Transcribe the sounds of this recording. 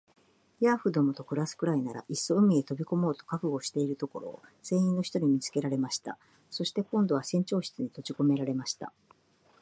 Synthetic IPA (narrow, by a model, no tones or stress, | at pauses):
jaɸɯ̟d̪o̞mot̪o̞kɯ̟ɾasɨ̥kɯ̟ɾainaɾa̰ʔisːo̞ɯ̟mʲiet̪o̞bʲiko̞mo̞ːt̪o̞̥kakɯ̟ɡo̞ɕi̥t̪e̞iɾɯ̟t̪o̞ko̞ɾo̞̰ːsẽ̞ɰ̃ĩnːo̞çi̥t̪o̞ɾʲimʲit͡sɨ̥ke̞ɾaɾe̞maɕi̥t̪a̰ | so̞ɕi̥t̪e̞kõ̞nd̪o̞β̞asẽ̞ɲ̟t͡ɕo̞ːɕi̥t͡sɨɲ̟it̪o̞t͡ɕiko̞me̞ɾaɾe̞maɕi̥t̪a̰